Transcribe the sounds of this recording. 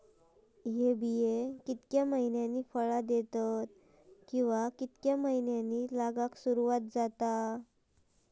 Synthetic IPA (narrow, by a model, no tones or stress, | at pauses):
ɦebijekit̪kjaməɦinjanːiːfəɭad̪et̪at̪̚ | kĩw̃ʋakit̪kjaməɦinjanːiːlaɡaksuɾuʋat̪̚d͡zat̪a